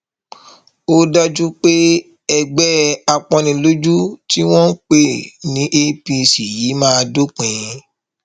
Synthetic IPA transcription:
o˦da˦d͡ʒu˦k͡pe˦ | ɛ˧ɡ͡bɛ˦a˧k͡pɔ̃˧nĩ˧lo˦d͡ʒu˦ti˦w̃ɔ̃˦k͡pe˦˨nĩ˨˦ʔe˦pi˧si˨ji˨˦mãː˦do˦k͡pẽ˨ĩ˧

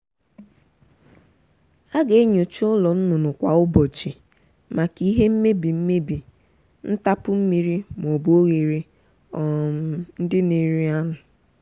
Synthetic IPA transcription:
a˦ɡe˨˦ɲo˨t͡ʃʊ˦ʊ˦lɔ˨n̩˦nʊ˨nʊ˨kʷa˨ʊ˦bɔ˨t͡ʃi˨ | ma˨ki˦ɦe˦m̩˦me˦bi˨m̩˦me˦bi˨ | n̩˦ta˦pʊ˦m̩˦mi˦ɾi˦m˨o˨bo˦ɣe˨ɾi˦ | ɔ˨m̩˨n̩˦dɪ˦ne˨ɾi˦a˦nʊ˨

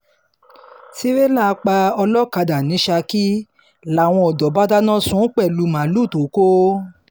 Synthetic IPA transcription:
ti˦ɾe˦la˦˨˧k͡pa˧ɔ˧lɔ˦˨ka˧da˨nĩ˨˦ʃa˧ki˦ | la˨w̃ɔ̃˧ɔ˨dɔ˨˦ba˦da˦nã˦sũ˦k͡pɛ˦˨lu˨˦mã˨˦lu˦˨to˨˦ko˦

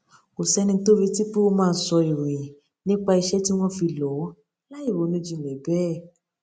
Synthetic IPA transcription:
o˨sɛ˨˦nĩ˧to˦ɾi˧˦ti˦k͡pi˦o˧mãː˦˧˦sɔ˧i˨ɾ̃ĩ˨ | nĩ˦k͡pa˧i˧ʃɛ˦ti˦w̃ɔ̃˦fi˧lɔ˨˦ | la˦i˦˨wo˨˦nũ˧˦d͡ʒi˧˨mɛ̃˨˦bɛː˦˨

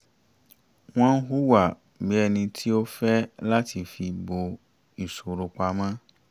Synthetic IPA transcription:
w̃ɔ̃˦n̩˦ɦu˦wa˨ | bi˨˦ɛ˦˧˨nĩ˧tʰi˦o˦fɛ˦la˦ti˧fi˧bo˧ | i˨so˨ɾo˧k͡pa˧˦mã˦

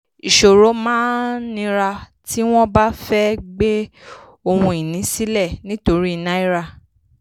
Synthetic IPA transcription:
i˨ʃo˨ɾo˨˦mãː˦nĩ˧ɾa˧ | ti˦w̃ɔ̃˦ba˦fɛ˦ɡ͡be˦ | o˧hũ˧i˨nĩ˨˦si˦lɛ˦˨nĩ˦to˧ɾi˦i˨nã˦i˦ɾa˧

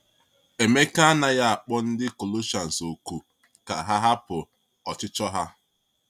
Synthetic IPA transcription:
e˨me˦ka˦a˦na˦ja˦a˨k͡pɔ˦n̩˦dɪ˦ko˨lo˦ʃa˨n̩˨so˨ku˨ | ka̰˨ɦa˦ɦa˦pʊ˨ | ɔ˨t͡ʃɪ˦t͡ʃɔ˦ɦa˦

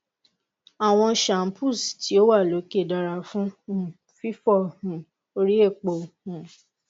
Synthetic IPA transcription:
a˨w̃ɔ̃˧ʃa˨m̩˦pʰu˦˨sti˨˦o˦wa˦˨lo˨˦ke˦˨da˧ɾa˨fũ˦hũ˦˨ | fi˦fɔ˦˨hũ˨ | o˦ɾi˦e˦˨k͡po˨hũ˨

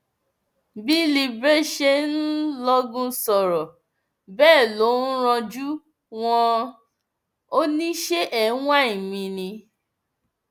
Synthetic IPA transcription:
bi˦li˧bɾe˦ʃe˦nn˦lɔ˦ɡũ˦sɔ˨ɾɔ˨ | bɛː˦˨lo˨˦n̩˦ɾ̃ɔ̃˧d͡ʒu˦ | w̃ɔ̃˧ | o˦nĩ˦ʃe˦ʔɛ˨˦wã˦˨ĩ˨mĩ˧nĩ˧

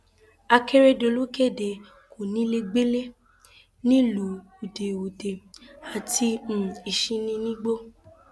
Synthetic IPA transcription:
a˧ke˦ɾe˦do˨˧˨lu˦ke˦˨de˨ | ko˨nĩ˦le˧ɡ͡be˦le˦ | nĩ˦lu˨˦ | o˨de˨o˨de˨a˨ti˧m̩˨i˨ʃĩ˧nĩ˧nĩ˦ɡ͡bo˦

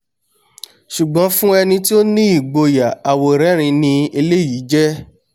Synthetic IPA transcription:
ʃu˨ɡ͡bɔ̃˨˦fũ˦ɛ˧nĩ˧ti˦o˦nĩ˦i˦˨ɡ͡bo˧ja˨a˨wo˨ɾɛ˨˦ɾ̃ĩ˧nĩ˧e˧le˦˨ji˨˦d͡ʒɛ˦

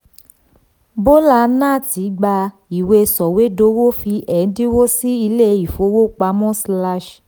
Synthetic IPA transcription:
bo˦la˧nã˦˨ti˨˦ɡ͡ba˧ | i˨we˧sɔ˨we˨˦do˧˦wo˦fi˧ʔɛ˨˦di˦wo˦si˦i˧le˦i˨fo˨˦wo˦˨k͡pa˧˦mɔ̃˦sla˦ʃ

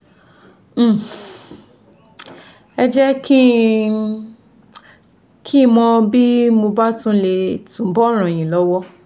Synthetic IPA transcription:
ɛ˧d͡ʒɛ˦kʰi˦ | kʰi˦˨mɔ̃˧bi˦mo˧ba˦tũ˦le˧tũ˨˦bɔ˦ɾ̃ã˨j̃ĩ˨lɔ˨˦wɔ˦

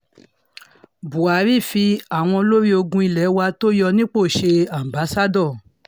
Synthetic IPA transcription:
bu˨a˨˦ɾi˦˨fi˧a˨w̃ɔ̃˧o˧lo˦ɾi˦o˧ɡũ˧i˧lɛ˨˦wa˧to˦jɔ˧nĩ˦k͡po˦˨ʃe˧a˨m˨ba˨˦sa˦dɔ̃˦˨

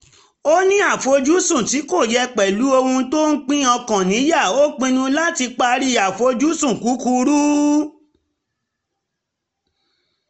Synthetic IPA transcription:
o˦nĩ˦a˦˨fo˧˦d͡ʒu˦sũ˦˨ti˨˦ko˦˨jɛ˧k͡pɛ˨lu˨˦o˧hũ˧˦to˦n̩˦k͡pĩ˦ɔ̃˧kã˨nĩ˨˦ja˦˨o˦k͡pĩ˧nũ˧la˦ti˧k͡pa˧ɾi˦a˨fo˨˧˦d͡ʒu˦sũ˦˨ku˨˦ku˧˦ɾu˦

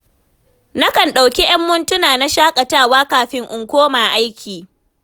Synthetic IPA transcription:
na˦kɐ˨nɗa˨wkʲi˦j̰ɐ˦mːʊ˦ntʊ˦naː˨na˦ʃaː˦kʼɐ˨taː˦˨waː˦kaː˨ɸɪ˦ŋʔʊ˨ŋkʷoː˦maː˨ʔa˦jkʲʰiː˨

